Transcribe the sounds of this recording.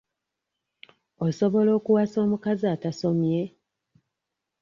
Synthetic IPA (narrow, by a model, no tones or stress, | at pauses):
oso̞βo̞lo̞ːkuwaːso̞ːmukaziataso̞mje̞